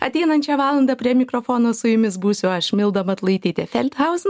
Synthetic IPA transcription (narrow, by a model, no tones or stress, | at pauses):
ɐt̪ʲɛɪnɐnʲt͡ʃʲɛʋɑːlˠɐnd̪ɐpʲɾʲiɛmʲɪkɾoːfoːnoːsʊjʊmʲɪsbuːsʲʊɐʃmʲɪlˠd̪ɐmɐt̪lˠɐɪt̪ʲiːt̪ʲɛfʲɛlʲt̪hɐʊsn